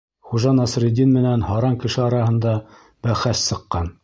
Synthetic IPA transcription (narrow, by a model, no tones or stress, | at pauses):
χuʒɑnɑsɾʲɪd̪ʲinmɘ̆nænhɑɾɑŋkɘ̆ʃɘɑɾɑɦɤ̆nd̪ɑ | bæχæssɤ̆qːɑn